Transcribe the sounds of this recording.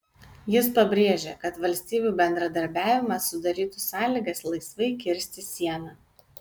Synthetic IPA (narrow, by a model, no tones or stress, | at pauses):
jɪspɐbʲɾʲeːʒʲekɐt̪ʋɐlʲsʲt̪ʲiːbʲuːbʲɛnd̪ɾɐd̪ɐɾʲbʲæːʋʲɪmɐsːʊd̪ɐɾʲiːt̪ʊsɑːlʲiɡɐslˠɐɪsʋɐɪkʲɪɾʲsʲt̪ʲɪsʲiɛnɑː